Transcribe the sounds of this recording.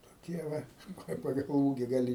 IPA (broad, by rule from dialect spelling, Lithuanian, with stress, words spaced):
toːˈkʲiɛ ˈʋɐ nʊ ˈkɐɪ pɐˈɡɐlˠ ˈuːɡʲɪ ɡɐˈlʲɪ